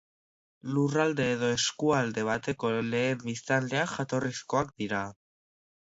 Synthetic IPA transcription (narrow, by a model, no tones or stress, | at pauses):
lurald̪e̞ːðo̞eskuald̪e̞β̞at̪e̞ko̞le̞ːmbist̪ald̪e̞axat̪o̞risko̞akd̪iɾa